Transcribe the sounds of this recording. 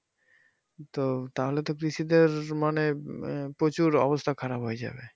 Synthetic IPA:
t̪ot̪aɦolet̪okɾiʃid̪eɾmanepɾot͡ɕuɾɔ̰bost̪ʰakʰaɾabɦoed͡ʑa̰be

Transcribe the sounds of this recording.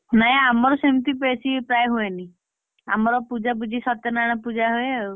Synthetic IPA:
naɛ̃amɔɾɔsimt̪ipesipɾajɦueni | a̰mɔɾɔpud͡ʒabud͡ʒʱisɔt̪ɔnaɽ̃ɔpud͡ʒaɦue

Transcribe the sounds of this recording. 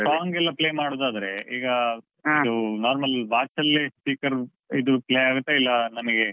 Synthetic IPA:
saːŋɡɛlːɐpleːmaːɽod̪aːd̪ɐɾeiːɡɐ | id̪unaːɾmɐlʋaːt͡ʃɐlːespiːkɐɾ | id̪upleːaːɡut̪ːeilːɐnɐmɐɡe

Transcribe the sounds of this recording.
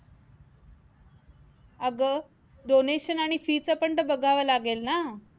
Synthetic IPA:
əɡə | ɖ̪oneɕənaɽ̃ifiːt͡səpəɳt̪əbəɡʱaʋəlaɡelna

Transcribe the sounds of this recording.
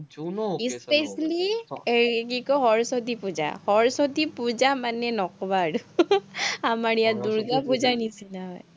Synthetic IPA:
ispɛsli | k̬ikɔɦɔɹsɔtipud͡ʒa̰hɔɹsɔtipuzamanɛnɔkɔbaːɹu | amaɹijad̪uɹɡapuzanisinaɦɔj

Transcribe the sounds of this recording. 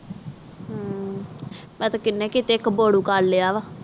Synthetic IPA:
ɦ | mɛ̃ːt̪ãkɪnːẽːkit̪eːkboːɽuːkaɾleːaːʋaː

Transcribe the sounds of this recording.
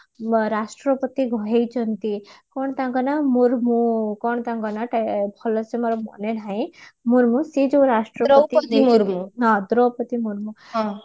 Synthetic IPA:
ɾasʈɾɔpət̪iɡʱɔɦejt͡ʃʰɔnt̪ikɔɳ̃t̪ãŋɡɔnamuɾmukɔɳt̪ãŋɡɔnaʈapʰɔlɔsemɔɾɔmɔ̰nelɦaĩmuɾmũsid͡ʒoɾasʈɾɔɾit̪imuɾmuɦãd̪ɾɔpɔt̪imuɾmũɦ

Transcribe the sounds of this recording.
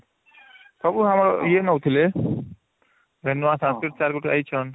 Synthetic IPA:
p̪ʌbuɦamɾojenʌwt̪ʰile | bʱenːuwãsãnskɾiʈ̚t͡saɾɡuʈiajt͡sʰʌn

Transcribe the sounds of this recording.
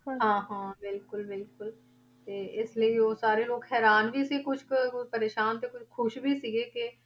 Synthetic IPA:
ɦãːɦãːbɪlkʊlbɪlkʊl | t̪eːɪsliiosaːɾeloːɡɦɛːɾaːnbʱisikʊt͡ʃʰkpɐɾeːʃaːnt̪ekʊt͡ʃʰkʰʊʃbʱisiɡeke

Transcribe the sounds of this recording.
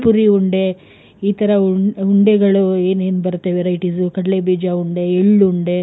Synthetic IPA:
puɾiuɳɖe̞ | iːt̪ɐɾɐuuɳɖeɡɐɭue̞ːne̞ːnbɐɾt̪ːeʋeɾɐjʈisukɐɽɐlebiːd͡ʒauɳɖe̞eɭːuuɳɖe̞

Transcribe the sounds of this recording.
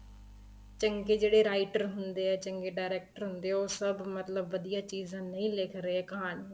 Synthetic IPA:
t͡ʃə̃ŋɡed͡ʒeːɽeɾaːɪʈəɾɦʊ̃nd̪eɛːt͡ʃə̃ŋɡeɖaːɾeːk̚ʈəɾɦʊ̃nd̪eɛoːsəbmət̪ləbʋəd̪ijat͡ʃiːzãːnɐĩleːkʰɾeɛːkɐãːn

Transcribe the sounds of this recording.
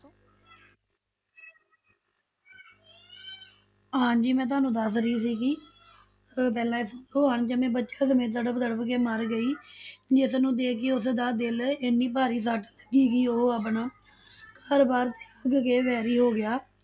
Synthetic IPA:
ɦãːd͡ʒiːmɛ̃ːt̪̬ʊaːnũːd̪əsɾəiːsiːki | p̬ɛːlãːɪsoːɦəɳd͡ʒəmẽːbətːʃaːsəmẽːt̪̬əɽəbd̪əɽəbkeːməɾɡəiːd͡ʒɪsnũːd̪eːkʰeʊsd̪aːd̪ɪlɪnːiːpaːɾiːs̬aːʈləɡiːkiːoːəːpnaː | kaːɾbaːɾt̪e̥ːəɡkeːʋɛːɾiːɦoːɡɪjaː

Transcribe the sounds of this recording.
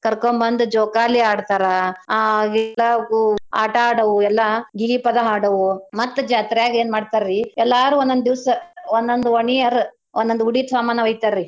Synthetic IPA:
kɐɾkombɐnd̪ud͡ʒɔːkaːliaːɽt̪aːɾɐ | ɡɛlːɐɡua̰ːʈɐaːɽɐʋuɛlːɐɡilipɐd̪ɐɦaːɽɐʋumɐt̪ːud͡ʒaːt̪ɾɛjaːɡeːnmaːɖt̪aɾɾiɛlːaːɾuːɔnd̪ond̪d̪iʋsɐɔnd̪ond̪uoɳiɐɾ | ɔnd̪ond̪uuɽiːt̪saːmaːnɐʋɐjt̪aɾɾi

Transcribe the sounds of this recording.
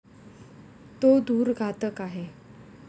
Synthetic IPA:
t̪od̪uːɾɡʱat̪əkaɦe

